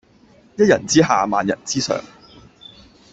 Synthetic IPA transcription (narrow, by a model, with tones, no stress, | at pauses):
jɐ˥t̚jɐ̰˨˩nt͡siː˥ɦaː˨maː˨njɐ̰˨˩nt͡siː˥sœ̰ː˨˩ŋ